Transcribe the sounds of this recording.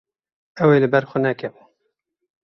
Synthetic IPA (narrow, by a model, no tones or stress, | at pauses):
ɛweːlɨbɛɾxʷənɛkʰɛv